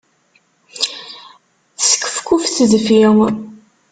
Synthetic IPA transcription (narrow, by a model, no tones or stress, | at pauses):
θsə̥kːə̥fkːufθəðfiw